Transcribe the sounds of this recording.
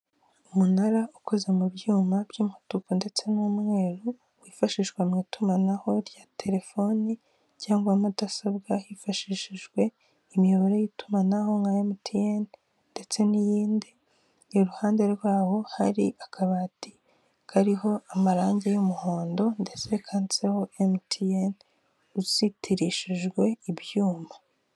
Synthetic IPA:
umunaɾauko̞ze̞muβɟuːmabjiːmhatukonde̞t͡se̞numŋe̞ːɾu | wifaʃiʒɡwemŋiːtumanaho̞ɾjatʰe̞ɾe̞fo̞ni | caːŋɡamatasaβɡahifaʃiʃiʒɡwe̞ | imjoβaɾojitumanaho̞ŋɡajemutʰijen | nde̞t͡se̞nijiːndi | iɾuhaːndeɡwaːho̞haɾḭʔakʰaβaːti̥ | kʰaɾiho̞amaɾaːɲɟejumuho̞ːndo̞nde̞t͡se̞kʰant͡se̞ho̞ʔemtʰien | uzitʰiɾiʃiʒɡwe̞ibjuːmḁ

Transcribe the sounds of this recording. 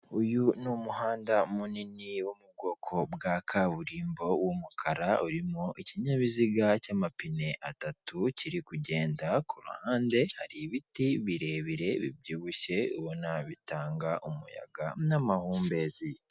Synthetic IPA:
ujunumuɦaːndamuniniwomub̚ɡo̞ːkʰo̞bɡakʰaβuɾiːmbo̞wumukʰaɾauɾimoʔiciɲaβiziɡacamapine̞ʔatatuciɾikuɟe̞ːndakuɾṵhaːnde̞haɾiβitiβiɾe̞βiɾe̞βḭbjuːβuʃe̞uβonaβitaːŋɡaʔumṵja̰ɡanamahuːmbe̞zi

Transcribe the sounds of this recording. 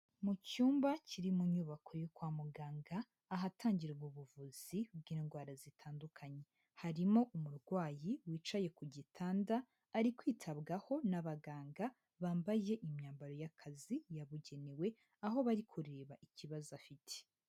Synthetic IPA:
mucuːmbaciɾimuɲuːβakʰo̞jokwaːmuɡaːŋɡaː | ɦatʰaːɲɟiɾɡuβuvuz̥ibɡiːnɡwaːɾazitʰaːndukʰaɲe̞ | haɾimo̞ʔumuɾɡwaːjiwiːt͡ʃaje̞kuɟitʰaːndaː | ɾikwiːtʰabɡaho̞naβaɡaːŋɡa | βaːmbaje̞ʔimɲaːmbaɾo̞jakʰazijaβuɟe̞newe̞ | aɦo̞βaɾikʰuɾeβaʔiciβazafitʰe̥

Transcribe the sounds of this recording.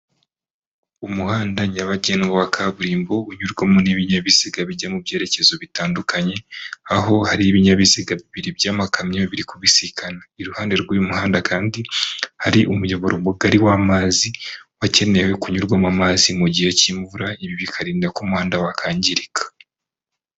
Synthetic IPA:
umuhaːndaɲaβaɟenɡawakʰaβuɾiːmbo̞uɲuɾɡwamuniβiɲaβisiɡaβiɟamubje̞ːɾece̞zo̞βitaːndukʰaɲe̞aɦo̞haɾiːβiɲaβisiɡaβiβiɾibjaːmakamɲaβiɾikuβisikʰanaiɾuhaːnde̞ɾɡujumuhaːndakaːndihaɾiʔumujo̞βoɾomuɡaɾiwamaːziwace̞ne̞we̞kuɲuɾɡwamamaːzimuɟijaciːɱvuɾaiβiβikʰaɾiːndakumuhaːndawakʰaːɲɟiɾikʰḁ

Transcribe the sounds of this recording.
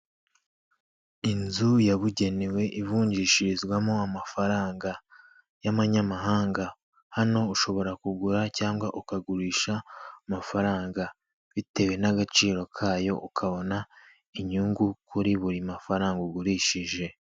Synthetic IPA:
inzujaβuɟe̞newe̞ʔivuːɲɟiːʃiɾizɡwamoamafaɾaːŋɡa | jamaɲamaɦaːŋɡa | hano̞uʃo̞βo̞ɾakuɡuɾacaːŋɡwaʔukaɡuɾiːʃamafaɾaːŋɡa | βite̞we̞naɡat͡ʃiːɾo̞kʰaːjo̞̰ʔukʰaβo̞na | iɲuŋɡukʰuɾiβuɾimafaɾaːŋɡuɡuɾiʃiʒe̞

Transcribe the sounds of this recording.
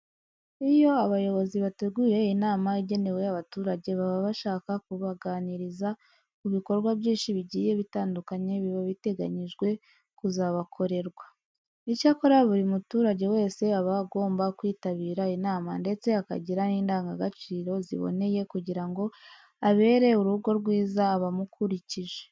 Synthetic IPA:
ijo̞aβajo̞βo̞ziβate̞ɡwuɾe̞inaːmaiɟe̞ne̞we̞jaβatuːɾaɟe̞βaβaβaʃaːkakuβaɡaːniɾiza | kuβiko̞ɾɡwaβjiːnʃiβiɟiːje̞βitaːndukaɲe̞βiβoβite̞ɡa̰ɲiʒɡwe̞ | kuzaβakʰo̞ɾe̞ɾɡwa | icaːko̞ɾaβuɾimutuːɾaɟe̞we̞ːse̞aβaɡo̞ːmbakwiːtaβiːɾainaːmande̞t͡se̞aka̰ɟiɾaniːndaːŋɡaɡat͡ʃiːɾo̞zḭβo̰ne̞je̞kuɟiɾaŋɡo̞ | aβe̞ːɾe̞uɾuɡo̞ɾɡwiːzaːβamukuɾiciʒe̥

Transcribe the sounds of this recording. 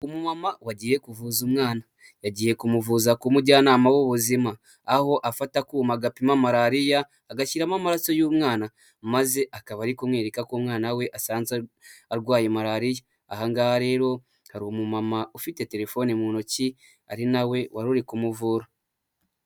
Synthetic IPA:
umumamawaɟiːje̞kuvuːzumŋaːna | jaɟiːje̞kumuvuːzakumudɟanaːmawoβuzimaː | ho̞ʔafatakumaɡapimamaɾaɾijaː | ɡaciɾamamaɾaso̞juːmŋaːna | maze̞ʔakaβaɾikumweːɾekakomŋaːnawe̞ʔasaːnza | aɾɡwaːjemaɾaɾijaː | haŋɡahaɾe̞ːɾo̞ | haɾimumamaufite̞te̞ɾe̞fo̞nimuːnoci | a̰ɾinawe̞waɾuɾikumuvuːɾa

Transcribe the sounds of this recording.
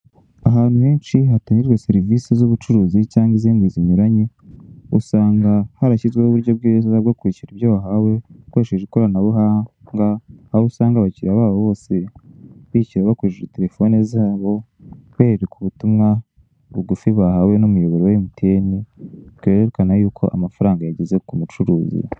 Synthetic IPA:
aɦaːn̥uheːnt͡ʃiɦataɲiɾɡwese̞ɾivisizuβut͡ʃuɾuːzicaːŋɡiziːŋɡiːziɲuɾaɲe | usaːŋɡahaɾaçizɡweuβuɾɟobɡeːzaɡokwiciɾiβjoβaɦawe̞weʃiʒekoɾanaβuɦaŋɡaaβusaːŋɡaβaciɾaβaːβoβo̞ːseβiːciɾaβakuʃiite̞ɾe̞fo̞nizaːβo̞ | weːɾekʰuβutumŋa | βuɡufiβahawe̞numujo̞βoɾowemutʰeːniɡ̥eɾeɾekanajuːkʰo̞̰ʔamafaɾaːŋɡajaɟeze̞kumut͡ʃuɾuːzḭ

